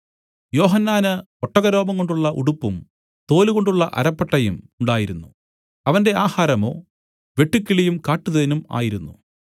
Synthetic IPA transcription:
jo̞ːɦɐnːaːnɨ | oʈːɐɣɐɾo̞ːbɐŋkːo̞ɳɖuɭːɐʔṵɽupːum | t̪o̞ːluɣoɳɖuɭːɐ̰ʔɐ̰ɾɐpːɐʈːɐjṵmuɳɖaːjiɾunːu | ɐʋɐnde̞aːhaːɾɐmo̞̰ː | ʋe̞ʈːukːiɭijumkaːʈːuðɐðenuma̰ːjiɾunːṵ

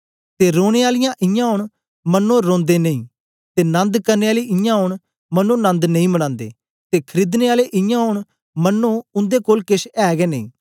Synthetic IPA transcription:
t̪eɾoːɽ̃eaːlɪjãʔɪ̃jãɦʊɳ̃ | mənːõːɾõːnd̪enɐĩː | t̪eːnɐ̃nd̪kɐɾneaːliɪjãɦʊɽ̃ | mɐnːõnə̃nd̪nɐ̃ĩməɽ̃ãːnd̪ḛː | t̪eːkʰəɾiːd̪neaːleʔɪjãɦʊɳ̃ | mɐnːoʊ̃nd̪ekoːlkɪsɛːɡɛnə̃ḭ̃ː

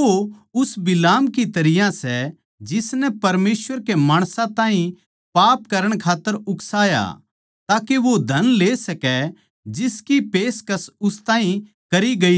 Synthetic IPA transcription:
oʊsbɪlaːmkit̪ɐɾɪjãsɛ | d͡ʒɪsnɛpɐɾmeːsʋəɾkemaːɽ̃sãt̪ãːɦĩ | paːpkɐɾəɽ̃kʰaːt̪ːəɾʊksaːja̰ | t̪aːkeʋod̪ʱɐnleːsɐkɛ | d͡ʒɪskipeːskɐsʊst̪ãːɦĩ | kɐɾiɡɐi

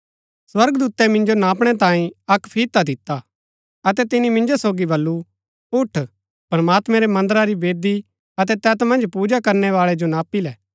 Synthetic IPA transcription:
swɐɾɡd̪uːt̪ɛmɪ̃nd͡ʒonaːpɽ̃ɛt̪ãːĩɐkpʰiːt̪ːad̪ɪt̪ːa | ɐt̪ɛt̪ɪnimɪ̃nd͡ʒosoːɡibɐlːu | ʊʈʰ | pɾɐmaːt̪mɛ̃ɾɛmɐ̃nd̪əɾaɾibeːd̪i | ɐt̪ɛt̪ɛːt̪mɐ̃nd͡ʒpuːd͡ʒakɐɾnɛʋaːɭɛd͡ʒonaːpilɛː

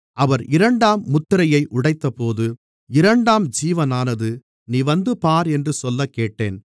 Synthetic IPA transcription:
ʔɐʋɐɾɪɾɐɳɖaːmːʊt̪ːɪɾɐjɐɪʔʊɽɐɪt̪ːɐpoːðɯ | ɪɾɐɳɖaːmd͡ʒiːʋɐnaːnɐðɯ | niːʋɐnd̪ɯpaːɾɛndrɯsɔlːɐkːeːʈːeːn

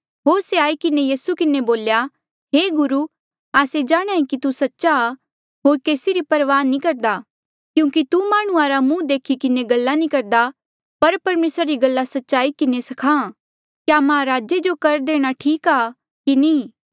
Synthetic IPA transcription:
ɦoːseaːikɪnejiːsukɪneboːlja | ɦeːɡʊɾu | aːsed͡ʒaːɽ̃aːĩkit̪usɐtːʃa | ɦoːɾkeːsiɾipɐɾʋaːnːĩkɐɾd̪a | kjũːkit̪umaːɽ̃ũaːɾamũd̪eːkʰikɪneɡɐlːanĩkɐɾd̪a | pɐɾpɐɾmeːsɾaɾiɡɐlːasɐtːʃaːikɪnesɐkʰãː | kjaːmãːɾaːd͡ʒed͡ʒokɐɾd̪eːɽ̃aʈʰiːkaː | kinĩː

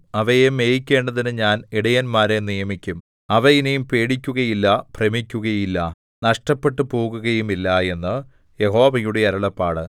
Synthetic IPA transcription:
ɐʋɐjemejikʲːe̞ːɳɖɐðinɨɲaːniɽɐjɐnmaːɾenijɐmikʲːum | ɐʋɐjinejumpe̞ːɽikʲːuɣɐjilːɐpremikʲːuɣɐjilːɐ | nɐʂʈɐpːe̞ʈːɨpo̞ːɣuɣɐjumilːɐe̞nːɨ | jeɦo̞ːʋɐjuɽe̞ɐɾɐɭɐpːaːɽɨ

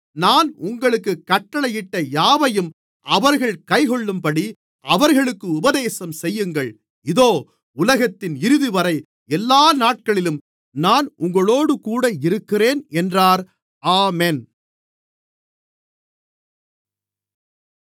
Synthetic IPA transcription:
naːnʊŋɡɐɭɯkːɯkːɐʈːɐɭɐjɪʈːɐjaːʋɐjɯm | ɐʋɐɾɣɐɭkɐɪɣɔɭːɯmpɐɽi | ɐʋɐɾɣɐɭɯkːɯʊbɐðeːsɐmsɛjːɯŋɡɐɭ | ɪðoː | ʊlɐɣɐt̪ːɪnɪɾɯðiʋɐɾɐɪ | ɛlːaːnaːʈ̚kɐɭɪlɯm | naːnʔʊŋɡɐɭoːɽɯkuːɽɐɪɾɯkːɪreːnɛndraːɾ | aːmɛn

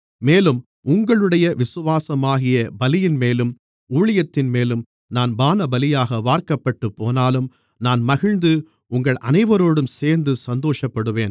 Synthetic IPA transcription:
meːlɯm | ʊŋɡɐɭɯɽɐjɐʋɪsɯʋaːsɐmaːɣɪjɐbɐlɪjɪnmeːlɯm | uːɻɪjɐt̪ːɪnmeːlɯm | naːnbaːnɐbɐlɪjaːɣɐʋaːɾkɐpːɐʈːɯpːoːnaːlɯm | naːnmɐɣɪɻnd̪ɯ | ʊŋɡɐɭʔɐ̰nɐɪʋɐɾoːɽɯmseːɾnd̪ɯsɐnd̪oːʂɐpːɐɽɯʋeːn

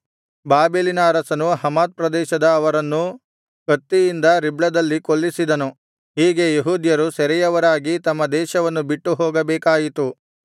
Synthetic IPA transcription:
baːbeːlinaɐɾɐsɐnuɦɐmaːd̪̚pɾɐd̪ɛːʃɐd̪ɐːʋɐɾɐnːu | kɐt̪ːijind̪ɐɾibɭɐd̪ɐlːikolːisid̪ɐnu | ɦiːɡe̞jeɦuːd̪jɐɾusɐɾɛjɐʋɐɾaːɡit̪ɐmːɐd̪ɛːʃɐʋɐnːubiʈːuɦoːɡɐbɛːkaːjit̪u

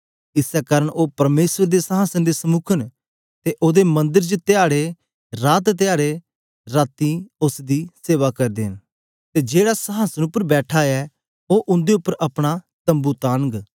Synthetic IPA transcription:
ɪsɛkaːɾəɳoːpɐɾmeːsʋəɾd̪esəɦaːsənd̪esəmʊkʰən | t̪eʔoːd̪emɐ̃nd̪əɾd͡ʒt̪eaːɽe | ɾaːt̪t̪ɪjaːɽe | ɾaːt̪iʊsd̪iːseːʋakɐɾd̪eːn | t̪eːd͡ʒeːɽasəɦaːsənʊpːəɾbɛːʈʰaːɛ | oːʔʊ̃nd̪eʊpːəɾɐpɽ̃a | t̪ɐ̃mbut̪aːnəɡ

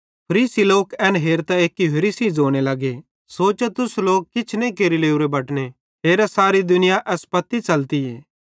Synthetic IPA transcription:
pʰəɾiːsiloːkɛːnɦeːɾt̪aeːkːipʰɐɾiːsizoːɽ̃elɐɡe | soːt͡ʃet̪ʊsloːk̚kːɪt͡ʃʰnẽikeːɾileːuɾebɐʈne | t̪ʰeːɾasaːɾid̪ʊnɪjaʔɛːspɐt̪ːit͡ʃɐlt̪iɦɛː

